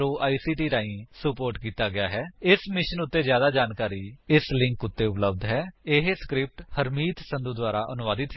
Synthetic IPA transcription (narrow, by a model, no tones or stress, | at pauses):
oːʔaːiːsiːʈiːɾaːĩːsəpoːɾʈkiːt̪aːɡɪaːɦɛːɪsmɪʃənʊt̪ːeːd͡ʒjaːd̪aːd͡ʒaːnkaːɾiːɪslɪ̃ŋkʊt̪ːeːʊpləb̚d̪ɦɛːɪɦeskɾɪp̚ʈhəɾmiːt̪sə̃nd̪ud̪waːɾaːʔənʊʋaːd̪ɪt̪ɦɛ